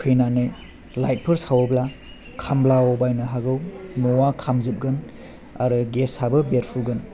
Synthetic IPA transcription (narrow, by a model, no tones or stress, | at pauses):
kʰɯjnanɯj | lajt̚pʰɯɾsawobla | kʰamblawɔbajnɐɦaɡɯwnɔwakʰamzɯp̚ɡɯn | a̰ɾɯɡeshabɯbeɾpʰuɡɯn